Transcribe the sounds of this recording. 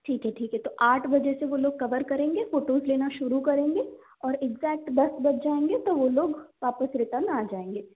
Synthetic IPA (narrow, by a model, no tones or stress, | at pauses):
ʈʰiːkɦɛʈʰiːkɦɛt̪oʔaːʈʰbɐd͡ʒɛseʋoloːɡ̚kɐʋəɾkɐɾẽːŋɡefoːʈoːzleːnaʃʊɾukɐɾẽːŋɡe | ɔːɾɪɡzɛːk̚ʈbɐsbɐʈ̚ʰd͡ʒaːẽːŋɡet̪oʋoloːɡʋaːpəsɾɪt̪ənaːd͡ʒaːẽːŋɡeː